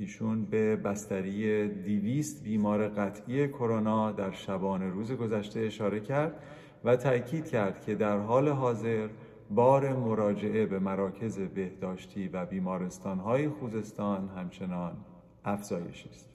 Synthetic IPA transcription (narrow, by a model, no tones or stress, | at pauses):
iːʃuːnbe̞bæst̪æɾijed̪iviːst̪biːmɒːɾe̞ɣæt̪ʰʔiːe̞kʰo̞ɾonɒːd̪æɾʃæbɒːne̞ɾuːze̞ɡo̞zæʃt̪e̞ːʃɒːɾe̞cʰæɾd̪̥ | væt̪ʰæcʰiːd̪̥̚cʰæɾd̪̥cʰe̞d̪æɾɦɒːle̞ɦɒːze̞ɾ | bɒːɾe̞mo̞ɾɒːd͡ʒe̞ʔe̞bemæɾɒːcʰe̞ze̞be̞hd̪̥ɒːʃt̪ʰiːvæbiːmɒːɾe̞st̪ɒːnɦɒːjexuːze̞st̪ɒːnɦæmt͡ʃʰe̞nɒːn | æfz̥ɒːje̞̰ʃist̪